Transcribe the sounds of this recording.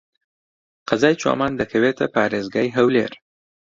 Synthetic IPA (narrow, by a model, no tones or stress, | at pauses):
qazɑjt͡ʃɑ̰mɑnd̪əkʰawet̪apɑɾezɡajɦawlḛɾ